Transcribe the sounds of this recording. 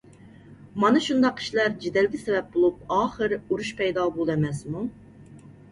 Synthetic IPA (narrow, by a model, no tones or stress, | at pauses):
mɑnɨʃund̪ɑqːʰi̥ʃlæɾd͡ʒed̪ɛlɡʲisɛvɛp̚bolˠup̚ɑːχəɾuɾuʃpʰɛjd̪ɑːbolˠɛmɛsmu